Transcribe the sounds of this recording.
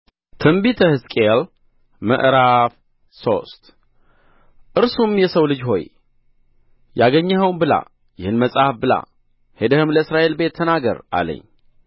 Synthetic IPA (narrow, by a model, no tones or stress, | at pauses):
t̪ʰɨmbit̪ʰəhɨskʼel | mə̰ʔɾaf | so̞̰st̪ʼ | ʔɨɾsumjɛsəwlɨd͡ʒho̞j | jaɡəɲːaɦəwmbɨla̰ | jɪhɨnməsʼafbɨla̰ | hed̪əhɨmləɨsɾaʔe̞lbe̞t̪ʰːənaɡə̰ɾa̰lə̰ɲː